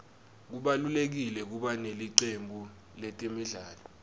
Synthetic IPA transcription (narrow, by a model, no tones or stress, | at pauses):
k̬uɓalulek̬ilɛk̬uɓaneliǀembʱu | lɛtʼimiɮaːlɔ